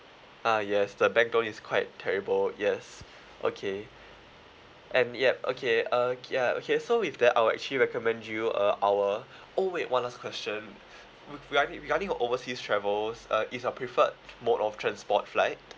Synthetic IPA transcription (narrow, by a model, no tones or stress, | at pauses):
ʔajɛsdəbɛ̃ŋk̚dõniskʰw̥aɪtʰːɛɹibəljɛs | ʔo̰kʰe | ʔɛ̃njɛp̚o̰kʰeəjao̰kʰesoifdɛta̰ɪwɛ̰k̚t͡ʃəliɹɛkɔmɛ̃ndjuə̰ʔawə | oweʔwʔãnaskʰwɛst͡ʃə̃n | iɹɡad̃ɹiɡadĩŋɔʔovəsistʰɹɛvəlsʌʔisəpʰɹifət̚motɔftʰɹɛ̃nspɔtflaɪt̚